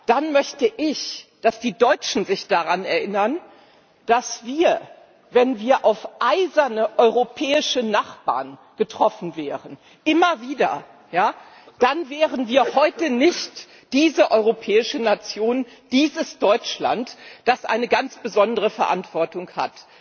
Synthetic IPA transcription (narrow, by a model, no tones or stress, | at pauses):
d̥anmœçtəʔɪçd̥asd̥iːdɔʏt͡ʃn̩zɪçd̥aʁanɛɐʔɪnɐn | d̥asv̥iːɐ | vɛnviːɐʔaʊfʔaɪzɐnəʔɔʏʁopʰɛːɪʃənaχb̥a̰ːɐn | ɡ̥ətʁ̥ɔfn̩vɛːʁən | ʔɪmɐviːdɐ̰ | jaː | d̥anvɛːʁənviːɐhɔʏtənɪçt | d̥iːzəʔɔʏʁopʰɛːɪʃənat͡sjoːn | d̥iːzəsd̥ɔʏt͡ʃla̰ntd̥asʔa̰ɪnəɡant͡sb̥əzɔndəʁəfɛɐʔa̰ntv̥ɔɐtʊŋha̰t